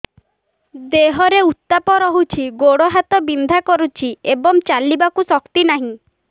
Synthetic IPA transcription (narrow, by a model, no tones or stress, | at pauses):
d̪eɦɔɾeut̪ːapɔɾɔɦut͡ʃʰiɡoɽɔɦat̪ɔbind̪ʱakɔɾut͡ʃʰiebɔŋt͡ʃalibakusɔkt̪inaɦĩ